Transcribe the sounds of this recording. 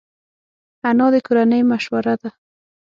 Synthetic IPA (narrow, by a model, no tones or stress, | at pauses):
anɑːd̪ɪkʊɾanajmaʃwaɾad̪a